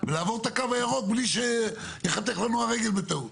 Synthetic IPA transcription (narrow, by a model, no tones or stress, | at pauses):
velaːvoʁt̪akavajaʁot̪̚bliʃe | jəχat̪eχlanuaʁeɡelbet̪aw